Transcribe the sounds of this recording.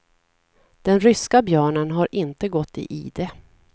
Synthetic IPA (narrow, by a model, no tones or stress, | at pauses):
d̪̥ɛnɾʏskabjœːɳənɦaɾʔɪnt̪əɡɔt̪ːɪ̰ʔḭːd̪ɛ